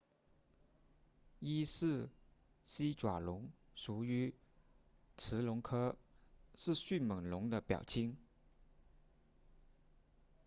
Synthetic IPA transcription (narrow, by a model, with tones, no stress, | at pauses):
i˥ʂɻ̩˥˩ | ɕi˥ʈ͡ʂwa˨˩lʊ˧˥ŋ | ʂu˨˥˩y˧˥ | t͡s̩ʰ˧˥lʊ˧˥ŋkʰɤ˥ | ʂɻ̩˥˧ɕy˥˩nmə˨˩ŋlʊ˧˥ŋd̪ə˧pjɑ̰˨˩ʊt͡ɕʰi˥ŋ